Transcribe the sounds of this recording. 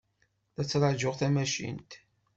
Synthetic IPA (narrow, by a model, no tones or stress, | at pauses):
θæt͡sːɾˤəʕd͡ʒʊʁθæmæʃḭnt̪